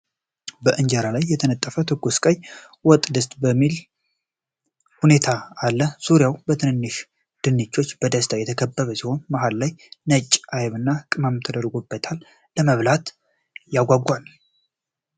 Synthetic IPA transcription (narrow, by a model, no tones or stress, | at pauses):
bəʔɨɲd͡ʒəɾalajːɛt̪ʰənət̪ʼːəfət̪ʰɨɡuskʼəj | wɔt̪ʼd̪əst̪ʼbəmːil | hune̞t̪ʰaːlːəsuɾjawbət̪ʰɨnɨnːɨʃ | d̪̥ɨnːɨt͡ʃːo̞t͡ʃːbəd̪əst̪ʰajɛt̪ʰəkʰəbːəβəsiho̞nmaɦallajnət͡ʃʼːʔajβɨnːakʼɨmamt̪ʰəd̪əɾɡobːət̪ʰalː | əməβlat̪ | jaɡʷaɡal